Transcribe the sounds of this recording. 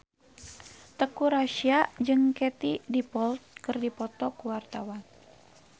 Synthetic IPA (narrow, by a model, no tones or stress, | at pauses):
t̪əkuɾaʃiad͡ʒɨŋket̪idipɔlt̪̚kɨrdipɔt̪ɔkuwart̪awan